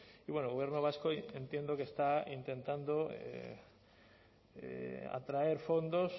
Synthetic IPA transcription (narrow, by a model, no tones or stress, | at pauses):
iβwenoɣojɾnoβ̞askoent̪jend̪okest̪aint̪ẽ̞nt̪and̪oḛ | ea̰t̪ɾaeɾfond̪os